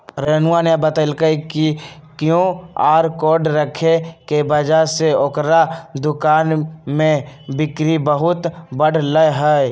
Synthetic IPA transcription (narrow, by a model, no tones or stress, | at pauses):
ɾənʊanebət̪əlkəikikjõaːɾkoːɾɖɾəkʰekebəd͡ʒaseokɾad̪ʊkaːnmẽbɪkɾibəɦʊt̪bəɽləɦɛ